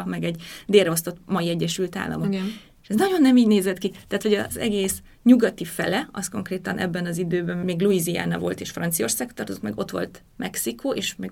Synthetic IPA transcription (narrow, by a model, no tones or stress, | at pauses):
mɛɡɛɟd̪eːlrɛost̪o̞t̪mɒiɛɟːɛʃylt̪a̰ːlːɒ̰mok | eʃɛznɒɟo̞nːɛmiːɟneːzɛt̪kit̪ɛːt̪ho̞ɟɒzɛ̰ɡeːs | ɲuɡɒt̪ifɛ̰lɛɒsko̞ŋkreːt̪ɒnʔɛ̰bːɛnɒzid̪øːbɛmmeːɡluizia̰ːnɒvo̞lt̪eːʃfrɒnt̪sijo̞rsaːkt̪ːɒrt̪ozikmɛɡo̞t̪ʋo̞̰lt̪ | mʔɛksikʰoːʔeːʃmɛɡ